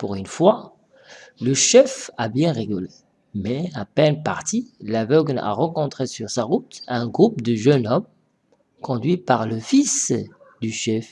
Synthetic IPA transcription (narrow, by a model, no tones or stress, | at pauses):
puʁynfwa | ləʃɛfabjɛ̃ʁeɡɔle | mɛapɛnpa̰ʁt̪ilavœɡna̰ʁɑ̃kɔ̃t̪χesyʁsaʁut̪ɛ̃ɡʁup̚d̪əʒənɔm | kɔ̃d̪ɥipaʁləfis | d̪yʃɛf